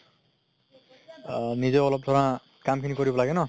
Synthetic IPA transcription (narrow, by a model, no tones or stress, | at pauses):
nid͡zelʌb̚d̪ʱoɾã | kamkʰiniɡʌɾibʌlaɡenʌ